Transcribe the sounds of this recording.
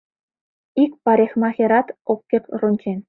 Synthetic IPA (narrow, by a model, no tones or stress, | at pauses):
ikpɑɾʲexmɑxʲĕɾɑt̪okʲːekrunʲt͡ɕenʲ